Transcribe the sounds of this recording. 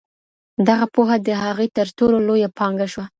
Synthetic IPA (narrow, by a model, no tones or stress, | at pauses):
d̪aɣapoɦad̪əɦaɣojt̪əɾt̪ololojapɑŋɡaʃwa